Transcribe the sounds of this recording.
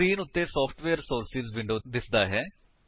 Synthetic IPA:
ɾiːnʊt̪ːeːsɔːpʰʈʋeːəɾsoːɾsɪzʋɪ̃ɳɖoːd̪ɪsd̪aːɦɛː

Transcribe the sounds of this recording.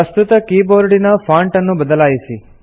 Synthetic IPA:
əst̪ut̪əkiboɾɖinɐfʰaɳʈənːubəd̪əlajʃi

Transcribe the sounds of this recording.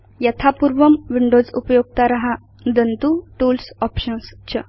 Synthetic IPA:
jət̪ʰapuɾʋəmʋiɳɖod͡zupjoɡ̚t̪aɾaɦa | d̪ənt̪uʈuːlsɔpɕənst͡ɕə

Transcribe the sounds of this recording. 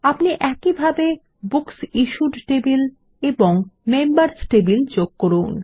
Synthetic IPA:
apniʔɛkibʱabe | buksiʃuɖʈebil | eboŋmembaɾsʈebild͡ʑoɡ̚koɾun

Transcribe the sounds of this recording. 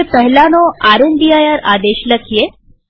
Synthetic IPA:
epəɦlanoaɾund̪ijajaɾad̪eʃləkʰije

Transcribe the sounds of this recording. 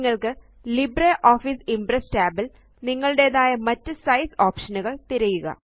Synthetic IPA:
ŋːɐɭkɨ | libreʔoːfiːsimbresʈaːbil | niŋːɐɭɨɽe̞ːðaːjɐmɐtːɨsɐjsoːpʂɐnuɣɐɭt̪iɾɐjuɣɐ̰

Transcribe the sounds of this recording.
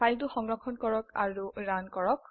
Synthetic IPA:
ajlt̬uxɔŋɹɔkʰɔnkɔɹɔka̰ɹuɹankɔɹɔk̚

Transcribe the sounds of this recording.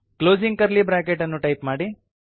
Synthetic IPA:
kloːd͡ʒiŋɡ̚kɐɾlibɾaːkeʈɐnːuʈɐjpmaːɽi

